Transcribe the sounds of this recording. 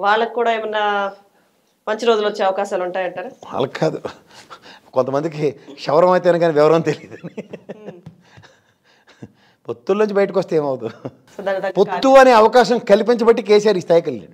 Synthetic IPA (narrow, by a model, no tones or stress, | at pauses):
ʋaːɭːɐkikːuːɽaːimɐnːɐ | mɐɲt͡ʃiɾo̞ːd͡ʒulʋot͡ʃːeːɐʋɐkaːʃaːluɳʈaːjɐɳʈaːɾua̰ːlɐkkʰːaːd̪u | kont̪ɐmɐnd̪ikiʃɐʋɾɐmɐjt̪eɐnuɡɐniʋɛʋɐɾɐɐnt̪eliːd̪uni | pot̪ːulɐnunɲt͡ʃibɐjɐʈ̬ikɔst̪eeːmɐʋɐt̪u | d̪apot̪ːuɐneːɐʋɐkaːʃɐmkɐlipiɲt͡ʃɐbɐʈːikeːsaːɾiːst̪ʰaːjikɐlːḭɳɖu